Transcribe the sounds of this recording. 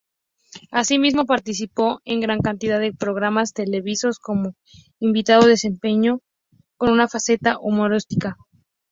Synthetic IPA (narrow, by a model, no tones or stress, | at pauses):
asimizmo̞paɾt̪is̬ipo̞e̞ŋɡɾaŋkant̪iðaðepɾo̞ɣ̞ɾamast̪e̞le̞βiso̞sko̞mo̞ | imbit̪aðoðe̞se̞mpe̞ɲo̞ | ko̞nunafase̞t̪aʔumo̞ɾost̪ika